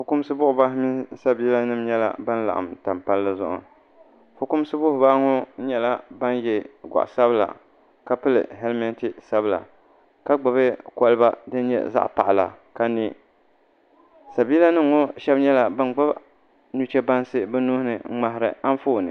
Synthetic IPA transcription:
fʊ˨kʊ˦m˦sɨ˦bʊ˦ʔʊ˨ba˦hmi˦sa˦bi˦la˦nɨ˦m˦ɲɛ˦la̰˨ba˦n˦la̰˨ʔa̰˨mta˨mpa˦lːɨ˦zʊ̰˦ʔʊ̰˨ | fʊ˨˦kʊ˦m˦sɨ˦bʊ˦hʊ˨ba˦ŋʊ˦ɲɛ˨la˦ba˦njɛ˨ɡʷa̰˨ʔsa˦bɨ˦la̰˨ | ka˦pɨ˦lɨ̰˨ɦɛ˦lmɛ˦nti˨sa˦bɨ˨la̰˨ | ka˦ɡ͡ba˨βɨ˦kɔ˦lɨ˦ba˦dɨ˦n˦ɲɛ̰˦za̰˦ʔpa˨ʔla̰˨ka˦ni˦ | sa˨bi˦la˦nɨ˦mŋo˦ʃɛ˦bɲɛ˦la˨ba˦nɡ͡ba˦b | nu˦t͡ʃɛ˦ba˦n˦sɨ˦bɛ˦nu˦hnɨ˨˦ŋ͡ma˨ɦɾɨ˨a˦n˦foː˦˨nɨ˨

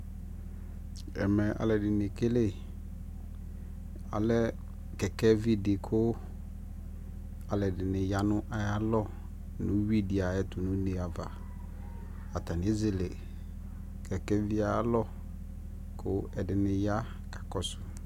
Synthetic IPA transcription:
ɛ̰˨mɛ˨ʔa̰˨lɛ˨dɪ˨nɪ̃˨kɪ˦lɪ˦ | a̰˨lɛ˦ | kɛ˨kɛ˦vi˦dɪ˨kʰʊ˦ | a˨lɛ˨dɪ˨nɪ̃˨ja˦nʊ̃˦ʔa˦ja˦lɔ˦ | nʊ̃˦wi˦di˨a˨ɛ˦tʊ˨nʊ̃˦ne˨a˨va˨ | a˨ta˨nɪ̃˦zɪ˨lɪ˨ | kʰɛ˨kɛ˦vi˦a˦˨a˦lɔ˦ | kʰʊ˦ɛ˨dɪ˨nɪ̃˨ja˦ | kḁ˨kɔ˨sʊ˨

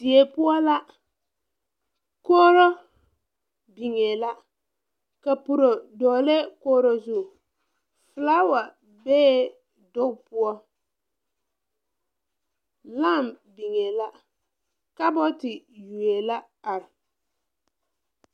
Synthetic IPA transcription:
d̥ɪ˨e˨pʊ˦ɔ˦la˦ | koː˦ɾo˦ | bi˨ŋe˨la˦ | ka˨pʊ˨ɾo˨dɔː˨le˦koː˦ɾo˦zʊ˦˨ | fɨ˨laː˦wa˨ | bɛː˦ | dʊ˦kpʊ˦ɔ˦ | la˦˨m | bi˨ŋe˨la˦ | ka˦bɔ˦tɪ˨ju˨e˨la˦ | a˨ɾɪ˨

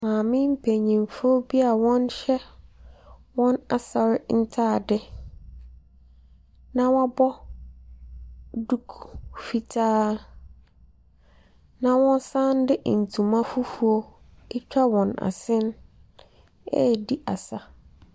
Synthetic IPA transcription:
mãː˨mɪ̃˦m̩˦pʰe˨ɲĩ˨mfo˦bi˦a˨wɔ̃˦nɕɛ˦ | wɔ̃˦na˨sa˨ɾɪ˦n̩˦tʰaː˦˨dɪ˦ | nã˦wɔ̃˦a˦bɔ˦ | du˦kfi˦tʰaː˦ | nã˨wɔ̃˦n˦sã˦n˦dɪ˦ʔn̩˨tʰũ˨mã˦fʊ˦fu˦o˦ | ɪ˦t͡ɕᶣa˦wɔ̃˨na̰˨sɪ̃˦n | ɛ̰˦˨di˦ʔa˨sa˦

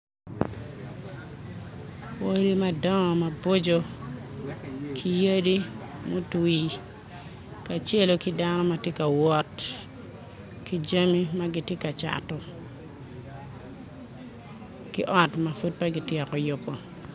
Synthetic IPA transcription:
wo˦ɾi˦ma˦dɔ˦ŋɔ˨ma˨bo˦d͡ʒo˦ | kʰi˦je˦di˦mo˦ti˨ | ka˨t͡ʃe˦lo˨ki˦da˦nɔ˦ma˨te˦ka˨wɔ˦t | ki˦d͡ʒa˦mi˦ma˦ɡɪ˨te˦ka˨t͡ʃa̰˨tɔ˨ | kɪ˦ʔɔ˦tma˨fu˦t̚pa˦ɡi˨tɪɔ˨kɔ˨jʊ˦pːo˨

